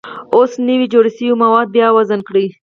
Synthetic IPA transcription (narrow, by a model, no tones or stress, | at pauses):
osnəwid͡ʒoɽisiwmawɑd̪̚bjɑwazankɽi